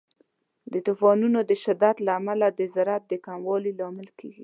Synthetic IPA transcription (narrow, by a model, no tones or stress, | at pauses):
d̪ət̪ufɑnunod̪əʃɪd̪ad̪laːmalad̪əzaɾat̪̚d̪əkamwɑlilɑmɪlkeɡi